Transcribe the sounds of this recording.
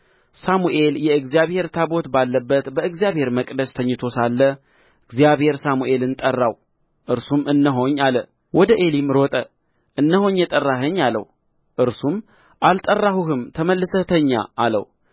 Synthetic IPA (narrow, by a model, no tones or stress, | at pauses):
samuʔe̞ljɛɨɡzijaβhe̞ɾt̪ʰabo̞t̪balːəbːət̪bəɨɡzijaβhe̞ɾməkʼd̪əst̪ʰəɲːɪt̪ʰo̞salːə | ɨɡzijaβhe̞ɾsamuʔe̞lɨnt̪ʼərːaw | ʔɨɾsumɨnːəɦo̞ɲːalə | wɔd̪əʔe̞limɾot̪ʼə | ʔɨnːəho̞ɲjɛt̪ʼərːaɦəɲːalə̰h | ʔɨɾsum | ʔalt̪ʼərːahuhɨmt̪ʰəməlːɨsət̪ʰəɲːa̰ːlə̰w